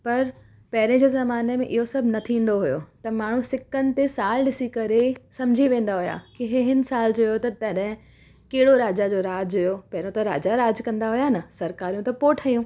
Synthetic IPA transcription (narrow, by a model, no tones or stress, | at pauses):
pɐɾ | pɐɦɪɾẽd͡ʑeːzɐmaːnemẽʔɪɦosɐbʱnɐt̪ʰĩːn̆d̪oɦʊjot̪ɐmaːɳ̤ũsɪkənɪ̆t̪esaːlɗɪsikɐɾesɐ̃md͡ʑʱiʋẽːn̆d̪aɦʊja̰kiɦeɦɪnsaːld͡ʑojot̪ɐt̪ɐɗɦɪ̃ | keɦɪɽoɾaːd͡ʑad͡ʑoːɾaːd͡ʑɦʊjopɐɦɪɾõt̪ɐɾa̰ːd͡ʑaɾaːd͡ʑkɐ̃nd̪aɦʊjanɐsɐɾkaːɾijũt̪ɐpoːʈʰaijũː